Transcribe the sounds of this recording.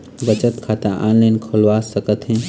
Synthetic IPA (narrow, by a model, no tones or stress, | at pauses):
bət͡ʃət̪kʰat̪aʔanləjnkʰolʋasəkət̪ɦɛ̃